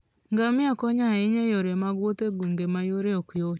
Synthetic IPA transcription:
ŋɡamiakɔɲaiɲejoɾemaɣwoteɡwiŋɡemajoɾeokuo

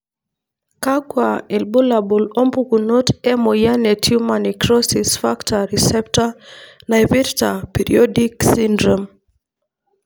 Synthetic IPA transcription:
kaɡwaɛlbolabolombukunotɛmɔjanetʰjumanikɾɔsisfaktaɾisɛptanajvɛɾtapiɾḭɔdiksindɾom

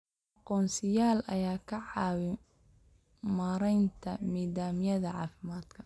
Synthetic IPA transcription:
ʔɑqɔːnsɪjaːlɐ̰jaːkʰɐʕɑːwɪ | maːɾɛjnt̪ʰɐmiːðaːmjɐðɐʕɑ̰ːfɪmaːd̪̥kʰɐ

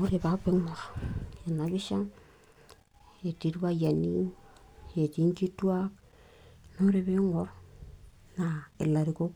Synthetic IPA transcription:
oɾebapeŋoɾenaβisaŋ | etiɾβajani | etiŋkituak̚ | noɾeβeŋoɾ | naḛlaɾiko

